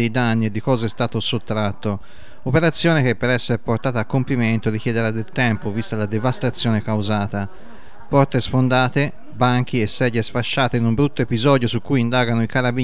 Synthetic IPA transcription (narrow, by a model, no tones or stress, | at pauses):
ejd̪anːied̪ːikɔːzeɛst̪aːt̪osot̪ːɾat̪ːo | opeɾat̪sːjɔːnek̟epːeɾɛsːeɾpoɾt̪aːt̪aːkːompiment̪oɾik̟jɛd̪eɾad̪elt̪ɛmpovist̪alad̪evast̪at̪sːjɔːnekawzaːt̪a | pɔɾt̪esfond̪aːt̪e | baŋk̟iɛsːɛd̪jesfaʃːaːt̪einumbɾut̪ːoepizɔːd̪josukːujind̪aːɡanoikaɾabi